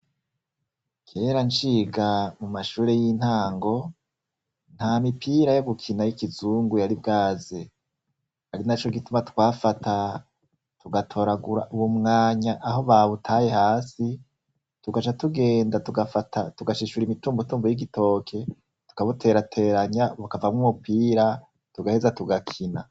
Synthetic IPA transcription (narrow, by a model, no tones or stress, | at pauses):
kʰe̞ːɾant͡ʃiːɡamumaʃuːɾejin̥haːŋɡo̞ | n̥hamipʰiːɾajo̞ɡukʰinajikizuːŋɡujaɾibɡaːze | haɾinat͡ʃo̞ɡitumatwaːfatʰa | tuɡatʰo̞ːɾaɡuɾa̰ʔuwumŋaːɲaʔaɦo̞βaβutʰaje̞haːsi | tuɡat͡ʃatuɡe̞ːndatuɡafatʰatuɡaʃiʃuɾimituːmbutuːmbujiɡito̞ːkʰe̞ | tu̥kaβutʰe̞ɾatʰe̞ːɾaɲaβakavamŋumupiːɾa | tuɡahezatuɡakʰina